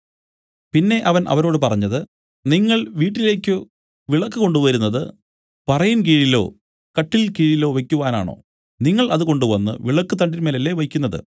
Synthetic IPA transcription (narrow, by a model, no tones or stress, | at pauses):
pinːe̞ʔɐʋɐnʔɐ̰ʋɐɾo̞ːɽɨpɐrɐɲːɐðɨ | niŋːɐɭʋiːʈːile̞ːkʲːɨ | ʋiɭɐkːɨko̞ɳɖuʋɐɾunːɐðɨ | pɐrɐjunk̬iːɻilo̞̰ː | kɐʈːilkiːɻilo̞ːʋe̞kʲːuʋaːna̰ːɳo̰ː | niŋːɐɭɐðɨko̞ɳɖuʋɐnːɨ̰ʋiɭɐkːɨt̪ɐɳɖinmelɐlːeʋɐjkʲːunːɐðɨ̰